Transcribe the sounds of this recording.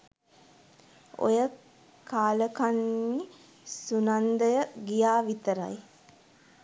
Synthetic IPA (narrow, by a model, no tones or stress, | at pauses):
o̰jə | kaːləkanːi | sunand̪əjəɡijaːʋit̪əɾa̰j